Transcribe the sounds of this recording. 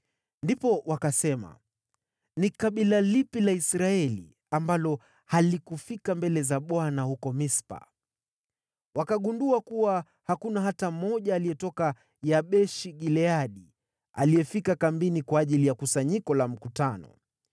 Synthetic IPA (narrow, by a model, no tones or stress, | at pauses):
ndipɔwakasɛma̰ | nikaɓilalipilaisɾaɛlḭ | ambalɔ | halikufikambɛlɛzaɓɔanahukɔmispa̰ | wakaɠunduakuwa | hakunaɦatamɔʄaːliɛtɔka | jaɓɛʃiɠilɛaɗi | a̰lijɛfikakambinikwaːʄilijakusaɲikɔlam̩kutanɔ̰